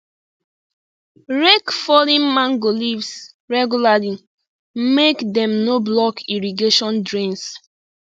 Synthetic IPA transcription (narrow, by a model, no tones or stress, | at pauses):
ɹekfɔlĩnmãŋɡolivs | ɹɛɡulali | mekdɛ̃mnoblɔkiɹiɡeʃɔ̃ndɹĩns